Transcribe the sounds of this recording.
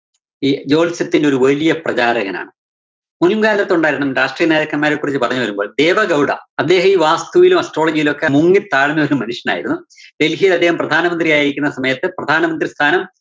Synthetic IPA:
iːd͡ʑo̞ːɭit͡ɕːɐt̪ːindeo̞ɾuʋɐlijɐprɐt͡ɕaːɾɐɣɐna̰ːɳɨ | munumɡaːlɐt̪ːuɳɖaːjiɾuɳɐmɾaːʂʈrijɐneːðɐkːɐnmaːɾekːuːrit͡ɕːɨpɐrɐɲːuʋɐɾumbo̞ːɭd̪e̞ːʋɐɡɐwɽɐ̰ɐd̪ːe̞ːɦɐmiːʋaːst̪uʋilumɐsʈro̞ːɭɐd͡ʑijilo̞kːemuŋɡit̪aːɻɐɲːiʋɐɾumːɐnuʂjɐna̰ːjḭɾunːud̪e̞lɦijɐlɐd̪ːehɐmprɐd̪ʱaːnɐmɐnd̪rijaːjiɾikʲːunːɐsɐmɐjɐt̪ːɨprɐd̪ʱaːnɐmɐnd̪rist̪ʰaːnɐm

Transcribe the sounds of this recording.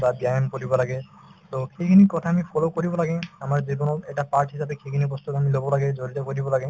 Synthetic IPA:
babiajemkoɹibɔlaɡɛ | t̪oxejkʰinikɔt̪ʰaːmipʰɔlokoɹibɔlaɡɛamaɹzibɔnɔt̪ɛʈapaɹʈɦisapexʰekʰinibɔst̪ukamilobɔlaɡɛzoɹit̪ɔkoɹibɔlaɡɛ

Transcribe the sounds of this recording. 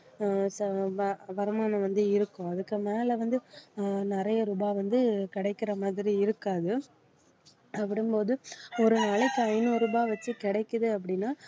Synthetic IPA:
sɐʋɐʋɐɾɯmaːnɐ̃ʋɐnd̪ɯɪɾɯkːʊ̃ɐðɯkːɯmeːlɛʋɐnd̪ɯnɪɾɐjɐɾʊbaːʋɐnd̪ɯkɪɽɐɪkːɪɾɐmaːðɪɾiɪɾɯkːaːðɯ | ɐpːɐɽɯmpoːðɯɔɾɯnaːɭɪkːɯɐɪnɯɾɯbaːʋɐt͡ʃːɯkɪɽɐɪkːɐðɯɐp̬ːɐɽɪnːaː

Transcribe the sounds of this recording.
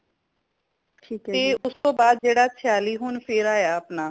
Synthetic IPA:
ʈʰiːk̪eːʊst̪õːbaːd̪̚d͡ʒeːɽaːtʰɪjaːliːɦʊːnpʰɪɾaːjaːəpnaː

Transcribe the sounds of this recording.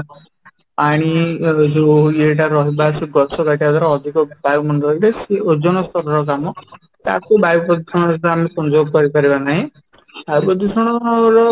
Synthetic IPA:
paɽ̃id͡ʒoeʈ̬aɾɔɦibasuɡɔsɔkaʈiad̪ɔɾɔːd̪ʱikɔbajumɔnʌileseod͡ʒɔnɔst̪ɔɾɔɾɔk̬amɔ | t̪a̰kubajupɔd̪isʰɔɽ̃ɔst̪aamisɔnd͡ʒoɡ̚kɔɾipaɾibanaɦĩ | bajwbɔd̪isɔɽ̃ɔɔɾɔ

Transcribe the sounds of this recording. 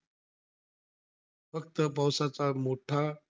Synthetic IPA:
fək̚t̪əpawsat͡samoʈʰa

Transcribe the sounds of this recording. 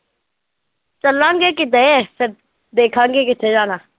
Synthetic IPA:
t͡ʃəlãːŋɡeːk̬ɪt̪eesəɾ | d̪eːkʰãːŋɡeːkɪt̪ʰẽd͡ʒaːnaː

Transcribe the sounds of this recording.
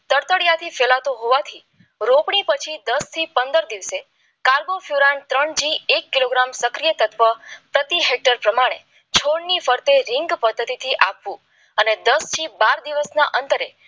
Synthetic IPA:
t̪əɾt̪əɽjat̪ʰifɛlat̪õɦoʋat̪ʰi | ɾopɳ̃ipət͡ʃʰid̪əst̪ʰipənd̪əɾd̪iʋse | kaɾbofjuɾant̪ɾəɳd͡ʒiekːiloɡɾamsəkɾijət̪ət̪ʋəpɾət̪iɦek̚ʈəɾpɾəmaɽ̃ḛ | t͡ʃʰoɽnifəɾt̪eɾɪŋɡpəd̪ːət̪it̪ʰiʔapʋũ | əned̪əst͡ʃʰibaɾd̪iʋəsna̰ʔənt̪əɾe

